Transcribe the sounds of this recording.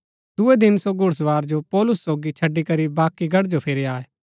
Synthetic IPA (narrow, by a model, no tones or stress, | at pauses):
d̪ʊed̪ɪnsoɡʱʊɽs̬ʋaːɾd͡ʒopɔːlʊsːoːɡit͡ʃʰɐɖːikɐɾibaːkiɡɐɽd͡ʒopʰɪɾeaːeː